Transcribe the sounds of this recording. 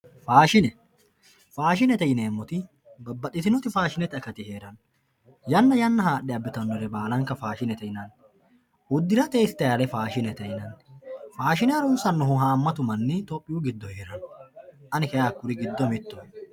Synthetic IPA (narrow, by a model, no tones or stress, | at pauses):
faːʃɪnɛ | faːʃ̬ɪnɛt̪ɛjɪneːmːɔt̪ɪ | bɐbːɐt̪ːɪt̪ɪnɔt̪ɪfaːʃɪnɛt̪ɐkɐt̪ɪhe̞ːɾɐn | jɐnːɐjɐnːɐhaːɗːɛɐbːɪt̪ɐnːɔɾɛbaːlɐŋkɐfaːʃɪnɛt̪ɛjɪnɐnː | ʊd̪ːɪɾɐt̪eːsɪ̥t̪ɐjɐlɛfaːʃɪnɛt̪ɛjɪnɐnːfaːʃɪnɛɐɾuːsɐnːɔɦʊɦaːmːɐt̪ʊmɐnːɪt̪ɔpʼːɪjuːɡɪd̪ːɔhe̞ːɾɐnɔʔɐnɪkɐjaːkːʊɾɪɡɪd̪ːɔmɪt̪ːɔ